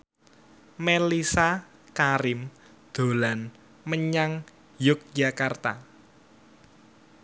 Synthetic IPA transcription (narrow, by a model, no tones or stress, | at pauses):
melisa | kaɾɪm | d̪̥o̤lan | məɲaŋ | jʊk̚d͡ʒakart̪a̰